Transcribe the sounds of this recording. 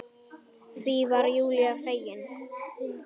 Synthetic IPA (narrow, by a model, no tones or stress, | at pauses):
θvivaɾjuːlɪafeːjɪn